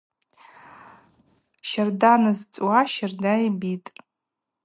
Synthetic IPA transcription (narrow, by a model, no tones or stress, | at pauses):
ʃardanɨzt͡sʼwaʃardajbitʼ